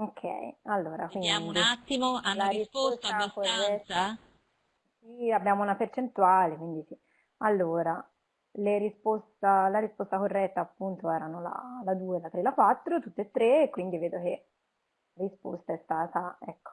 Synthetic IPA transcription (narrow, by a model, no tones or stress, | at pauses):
okʰːɛ̰jalːoːɾakwind̪iat̪ːimoalaɾisost̪akorːɛt̪ːa | siabːjaːmounapert͡ʃent̪uaːlekwind̪isi | alːoːɾa | leɾispost̪alaɾispost̪akorːɛt̪ːaːpːunt̪oɛːɾanola̰lad̪uːelat̪ɾelːakwat̪ːɾot̪ut̪ːet̪ːɾeːkwind̪iveːd̪ok̟e | laɾispo̰st̪aɛst̪aːt̪aɛkːo̥